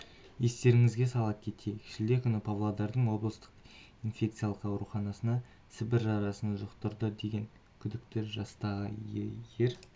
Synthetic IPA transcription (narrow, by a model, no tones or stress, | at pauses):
je̞st̪e̞ɾɪŋɪzɡʲe̞sɑlˠɑp̚kʲʰe̞t̪ʰe̞kʲʰɪ̥ʃɪld̪e̞kʲʰʏnɪpʰavlˠod̪ɑɾd̪əɴwo̞blˠəst̪ə̥q | infʲe̞k̚t̪sɨjalˠəqɑwɾuχɑnɑsənɑ | sɪbɪɾʒɑɾɑsənʒʊqt̪əɾd̪əd̪e̞ɡʲe̞ŋ | kʲʰʏd̪ɪk̚t̪ɪʒɑst̪ɑʁəjje̞ɾ